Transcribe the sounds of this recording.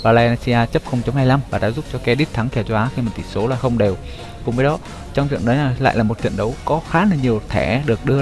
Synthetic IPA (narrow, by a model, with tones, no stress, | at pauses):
vaː˨˩laː˧na˧si˧aː˧t͡ɕə˦˥p̚xə˧wŋ͡mt͡ɕa˨˦mhaː˧jla˧mvaː˨˩ɗa̰ː˧˥zu˦˥p̚t͡ɕɔ˧kɛ˧ɗi˦˥t̚t̪ʰa˨˦ŋkɛ˧˩wt͡ɕɔ˧ʔaː˨˦xi˧məː˨˩t̪ʰi˧˩so˨˦laː˨˩xə˧wŋ͡mɗe˨˩w | kʊ̰˨˧ŋ͡mvəː˨˦jɗɔ˨˦ | t͡ɕɔ˧wŋ͡mt͡ɕɨ̰˧˨əŋnɗəː˨˦jnaː˨˩la̰ː˧˨jlaː˨˩mo˨˩t̚t͡ɕwḭ˧˨ənɗə˨˦wkɔ˨˦xaː˨˦laː˨˩ɲi˨˩ə˩wt̪ʰɛ˧˩ɗɨ˨˩ək̚ɗɨ˧ə